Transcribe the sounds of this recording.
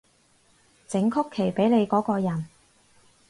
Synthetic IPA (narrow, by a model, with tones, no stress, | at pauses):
t͡sɪ˨˥ŋkʰʊ˥kʰːe˨˩jpe˨˥jle˨˧jkɔː˨˥kɔː˧jɐ˨˩n